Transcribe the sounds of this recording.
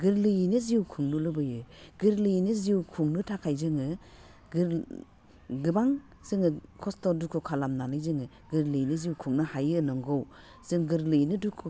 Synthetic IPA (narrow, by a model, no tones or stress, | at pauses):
ɡɯɾlɯjnɯziwkʰuŋnulɯbɯjɯɡ̥ɯɾlɯjnɯziwkʰuŋnɯtʰakʰajzɯŋɯ | ɡɯɾ | ɡɯbaŋ | sɯŋɯkʰɔstɔdukʰokʰalamnanɯjzɯŋɯ | ɡɯɾlɯjnɯziwkʰuŋnɯhajɯnɔŋɡɔw | sɯŋɡɯɾlɯjnɯdukʰo